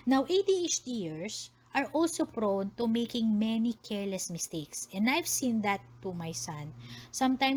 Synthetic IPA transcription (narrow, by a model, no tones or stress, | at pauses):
nawʔeɪd̪iet͡ʃd̪ijɪɹs | ʔɐɹʔɔlsopɹawnt̪umejkɪ̃ŋmɛnikʰɛɹlɛsmɪst̪eɪksɛ̃nd̪ajv̥sĩnd̪ɐt̪ːumajsɐ̃nsɐ̃mt̪ãjm